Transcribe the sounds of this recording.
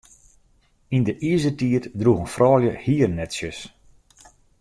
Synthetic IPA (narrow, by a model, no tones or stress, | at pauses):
indəʔizətiətdruɣənfrʔɔːljəhiərnɛtsjəs